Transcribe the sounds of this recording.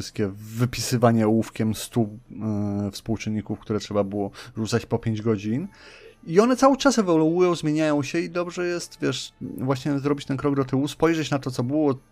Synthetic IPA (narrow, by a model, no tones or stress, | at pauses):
ɘst̪̚kʲɛvɘpʲisɘvaɲɛwufkʲɛmst̪u | fspuwt͡ʂɘnːikufkt̪uɾɛtʂɛbabɘwɔʐut̪sat͡ɕpɔpʲjeɲd͡ʑɡɔd͡ʑiniɔnɛt̪sawɘt͡ʂasɛvaluujɔ̃w̃zmʲjeɲajɔ̃w̃ɕɛid̪ɔbʐɛjɛst̪vʲjɛʂvwaɕɲɛzɾɔbʲit͡ɕt̪ɛnkɾɔɡ̚d̪ɔt̪ɘwuspɔjʐɛt͡ɕnat̪ɔt̪sɔbɘwɔ